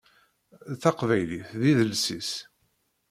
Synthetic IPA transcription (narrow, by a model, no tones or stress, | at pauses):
θɑqvæjliθðiðəlsis